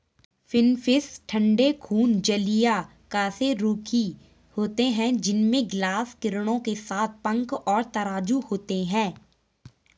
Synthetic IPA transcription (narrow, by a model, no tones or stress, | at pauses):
fɪnfɪsʈʰə̃ɳɖekʰuːnd͡ʒəlija | kaːseɾuːkʰi | hoːt̪eɦɛ̃d͡ʒɪnmẽɡlaːskɪɾɽ̃õkesaːt̪̚ʰpə̃ŋkɔːɾt̪ɐɾaːd͡ʒuhoːt̪eɦɛ̃ː